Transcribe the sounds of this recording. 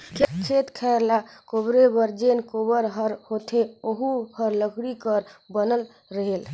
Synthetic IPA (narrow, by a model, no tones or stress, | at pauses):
kʰkʰet̪kʰɛɾlakobɾebəɾd͡ʒenkobəɾɦəɾhot̪ʰeoɦuhəɾləɡʰʱɽikəɾbənəl | ɾəɦel